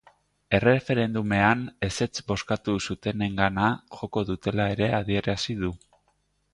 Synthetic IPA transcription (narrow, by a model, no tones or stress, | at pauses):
e̞re̞fe̞ɾe̞nd̪ume̞ane̞se̞t͡sbo̞skat̪usut̪e̞ne̞ŋɡanaʝo̞ko̞ðut̪e̞lae̞ɾe̞aðie̞ɾasið̞u